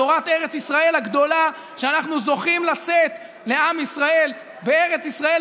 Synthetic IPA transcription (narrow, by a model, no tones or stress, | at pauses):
oʁat̪eʁet͡sisʁae̞lhaɡd̪o̞la | ʃeanaχnuzo̞χimlaset̪ | le̞amisʁae̞l | beeʁet͡sisʁae